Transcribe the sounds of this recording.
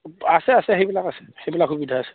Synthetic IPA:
asɛasɛɦejbilakasɛ̥hejbilakxubidʱaːsɛ̥

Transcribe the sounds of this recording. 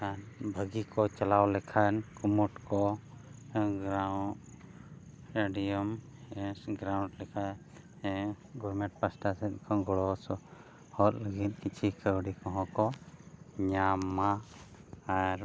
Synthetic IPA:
anbʱəɡikɔt͡ʃalawlɛkʰankumuʈkɔ | ɡɾawʈ | ɾeɖijɔm | ɡɾawɳɖlɛkʰaj | ɡɔɾmɛʈ̚pasʈasɛt̪̚kʰanɡɔɽɔsɔ | hɔt̪ləɡit̪̚ˀkit͡ʃʰikəwɽikɔ̃ɦɔ̃kɔ | ɲamːaː | ɾ

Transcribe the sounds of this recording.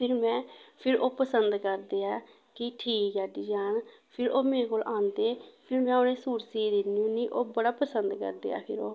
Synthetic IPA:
pʰɪɾmɛ̃ːpʰɪɾʔoːpəsənd̪kəɾd̪eːaː | kɪʈʰiːkɛːd̪iːd͡ʒaːn | pʰɪɾoːmeːɾeːkoːlʔãːnd̪eːpʰɪɾmɛ̃ːʊnẽːsuːɾseːd̪ɪnijũːniːʔoːbəɽaːpəsənd̪kə̰ɾd̪ḛːa̰ːpʰɪɾoː

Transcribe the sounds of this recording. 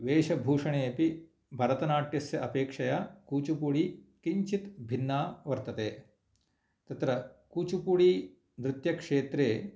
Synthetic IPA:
ʋeːʂɐbʱuːʂɐɳeːɐpi | bʱɐɾɐt̪ɐnaːʈjɐsjɐʔɐpeːkʂɐjakuːt͡ʃupuɽikiɲt͡ʃit̪bʱinːaːʋɐɾt̪ɐt̪eː | t̪ɐt̪ɾɐkuːt͡ʃupuɽiː | nɾɪt̪jɐkʂeːt̪ɾeː

